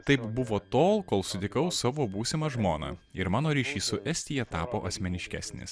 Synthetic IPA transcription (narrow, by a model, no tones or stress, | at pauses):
t̪ɐɪpbʊʋoːt̪oːlˠkoːlˠsʊd̪ʲɪkɐʊsɑːʋoːbuːsʲɪmɐʒmoːnɐ̰ɪɾmɑːnoːɾʲiːʃʲiːsʊʔɛsʲt̪ʲɪːjɛt̪ɑːpoːʔɐsʲmʲɛnʲɪʃʲkʲæ̰ːsʲnʲḛːs